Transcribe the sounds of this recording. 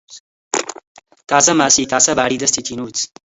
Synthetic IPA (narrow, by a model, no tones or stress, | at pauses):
t̪azɐmasit̪asɐbaːɽid̪ɐst̪ʰit̪ʰinut͡s